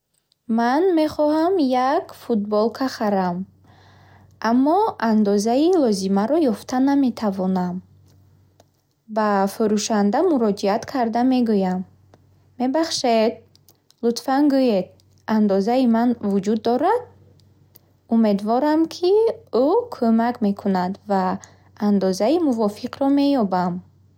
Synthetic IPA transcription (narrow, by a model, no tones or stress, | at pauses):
manme̞χɔhamjakfut̪̚bɔlkʰaχaɾam | ʔamːɔand̪ɔzailɔzimaɾɔjɔft̪ʰaname̞t̪ʰavɔnam | bafuɾuʃand̪amuɾɔd͡ʒiat̪kʰaɾd̪ame̞ɡujamː | e̞baχʃed̪̚ | lut̪fanɡujed̪ | and̪ɔzaimanvud͡ʒud̪ːɔɾad̪̚ | ume̞d̪vɔɾamkʰiukʰomakme̞kʰunad̪vaː | nd̪ɔzaimuvɔfiqɾɔme̞jɔbam